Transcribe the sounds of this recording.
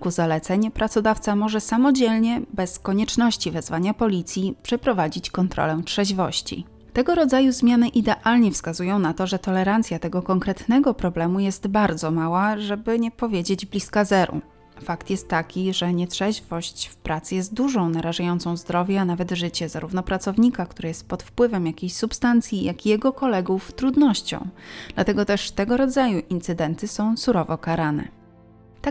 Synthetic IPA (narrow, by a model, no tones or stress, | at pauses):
kuzalɛt̪sɛɲpɾat̪sɔd̪aft̪samɔʐɛsamɔd͡ʑɛlɲɛbɛskɔɲɛt͡ʂnɔɕt͡ɕivɛzvaɲapɔlʲit̪sʲjipʂɛpɾɔvad͡ʑit͡ɕkɔnt̪ɾɔ̰lɛtʂɛʑvɔ̰ɕt͡ɕḭ | t̪ɛɡɔɾɔd̪zajuzmʲjanɘʔid̪ɛʔalɲɛfskazujɔ̃w̃nat̪ɔʐɛt̪ɔlɛɾant̪sʲjat̪ɛɡɔkɔŋkɾɛt̪nɛɡɔpɾɔblɛmujɛst̪baɾd̪zɔmawaʐɛbɘɲɛpɔvʲjed͡ʑed͡ʑblʲiskazɛɾṵ | fakt̪jɛst̪ːakʲiʐɛɲɛtʂɛʑvɔɕt͡ɕfpɾat̪sɘjɛst̪̚d̪uʐɔ̃w̃naɾaʐajɔnt̪sɔ̃w̃zd̪ɾɔvʲjɛanavɛd̪ʐɘt͡ɕɛzaɾuvnɔpɾat̪sɔvɲikak̚t̪uɾɛjɛst̪̚pɔt̪fpwɘvɛmjakʲejɕsupst̪ant̪sʲjijakʲijɛɡɔkɔlɛɡuft̪ɾud̪nɔɕt͡ɕɔ̰̃w̃d̪̥lat̪ɛɡɔt̪ɛʂt̪ɛɡɔɾɔd̪zajuʔint̪sɘd̪ɛnt̪ɘsɔ̃w̃suɾɔvɔkaɾanɛ̰ | t̪a